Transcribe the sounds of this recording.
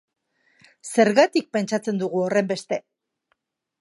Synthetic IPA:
se̞ɾɣat̪ik̚pe̞nt͡ʃat͡se̞nd̪uɣuo̞re̞mbe̞st̪e̞

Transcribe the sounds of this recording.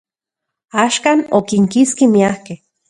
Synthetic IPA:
aːʃkaːnokiŋkiskimiahkeh

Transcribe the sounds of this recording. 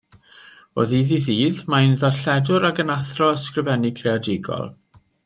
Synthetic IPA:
o̰ːðiðiðiːðmaɪnðɔɬɛdʊɾaɡənaθrɔəskrəvɛnɪkʰreɔdɪɡɔ̰lˠ

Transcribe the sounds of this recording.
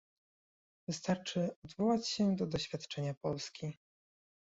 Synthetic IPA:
vɘst̪aɾt͡ʂɘɔd̪vɔwat͡ɕɕɛd̪ɔd̪ɔɕfʲjat̪t͡ʂɛɲapɔlskʲi

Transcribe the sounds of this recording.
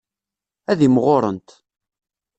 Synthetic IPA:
æðimʁoɾˤə̰nt̪

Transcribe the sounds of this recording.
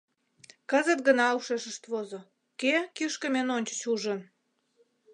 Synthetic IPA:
kə̆zə̆t̪̚ɡənɑuʃeʃə̆ʃt̪βozo | kekiʃkə̆menonʲt͡ɕə̥̆t͡ɕuʒə̆n

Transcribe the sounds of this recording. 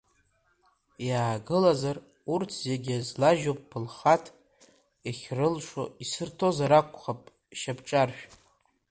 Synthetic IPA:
jaːɡɨlazar | urtʰzeɡʲiazlaʒop̚ʼpʰːɨlχatʰ | eχʲrɨlʂoisɨrtʰo̞zaɾakʷʰʼχapʼ | ʃabʈ͡ʂʼarʃᶣ

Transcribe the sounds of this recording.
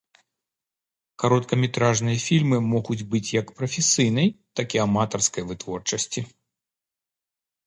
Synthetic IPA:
kaɾɔt̪kɐmʲɛt̪ɾaʐnɨjɐfʲilʲmɨmɔɣud͡zʲbɨt͡sʲjɐkpɾɐfʲɪsɨjn̪ɐjt̪akʲiamat̪ɐrskɐjvɨt̪vɔrt͡ʂɐsʲt͡sʲi

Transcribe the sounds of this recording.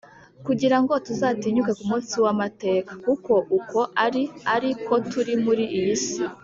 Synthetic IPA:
kuɟiɾaŋɡo̞tuzaːtiɲukekumũːnsiwamate̞ːkḁkuko̞ʔukʰo̞ʔaɾiaɾikʰo̞tʰuɾimuɾiʔijisi

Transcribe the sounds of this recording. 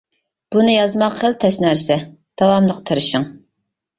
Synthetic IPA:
b̥unɨjɑzmɑqχəlt̪ʰɛsnæɾsɛ | d̪̥ɑwɑmlˠəqt̪ʰɨɾɨʃɨŋ

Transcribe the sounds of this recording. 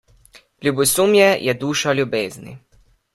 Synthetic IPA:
lʲubusumjɛjʔɛd̪uːʃalʲjubeːznḭ

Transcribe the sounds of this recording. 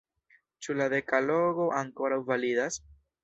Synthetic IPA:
t͡ʃulade̞kalo̞ɡo̞ʔaŋko̞ɾawvalidas

